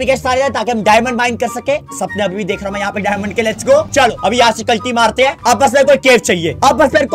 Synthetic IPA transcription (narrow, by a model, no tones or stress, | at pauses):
pɪkeːʃsaːɾeɾaɦɛ̃t̪aːkiɦɐmɖaːɪmə̃ɳɖbaːɪnɖ̚kɐɾsɐkẽːsɐb̚nẽɐbʱibʱid̪eːkʰɾaɦõmɛ̃jɐɦãpeɖaːjmə̃ɳɖ̚kelet͡ʃɡoːt͡ʃɐloːɐbʱijɦãːsekɐlʈimaːɾt̪eɦɛ̃ːɐbːɐs̬meɾkoːikeːɾt͡ʃaːɦieːɐbːɐspeɾk